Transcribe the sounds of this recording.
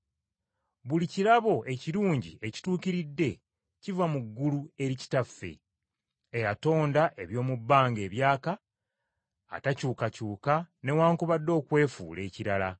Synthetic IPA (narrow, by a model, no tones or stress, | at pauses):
βuliciɾaβo̞ʔe̞ciɾuːɲɟie̞ci̥tuːkiɾidːe̞ | civamuɡːulue̞ɾici̥tafːe̞̰ | ejato̞ːndaʔe̞βjo̞ːmubːaːŋɡe̞ːβjaːka | tacuːkacuːkane̞waːŋkuβadːo̞ːkwe̞ːfuːle̞̰ːciɾala̰